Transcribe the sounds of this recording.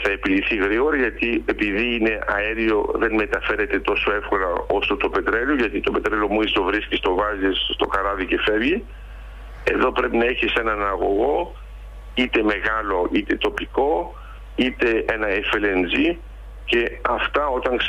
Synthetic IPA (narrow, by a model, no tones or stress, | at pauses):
θɐepiliθiɣɾiɣo̞ɾɐʝɐt̪iepiðiːne̞ʔɐ̰eɾio̞ðe̞nme̞t̪ɐfe̞ɾe̞t̪e̞t̪o̞so̞e̞fko̞lɐ̰o̞st̪ot̪ope̞t̪ɾeloʝɐt̪it̪o̞pe̞t̪ɾelomuisovɾiscist̪o̞vɐzisst̪o̞kɐɾɐðice̞fevʝi | e̞̰ðo̞pɾe̞pinɐeçise̞nɐnɐɣo̞̰ɣo̞ | it̪e̞me̞ɣɐlo̞ʔit̪e̞t̪o̞piko̞ | it̪e̞enɐefele̞nd͡zi | ce̞ɐft̪ɐo̞t̪ɐŋks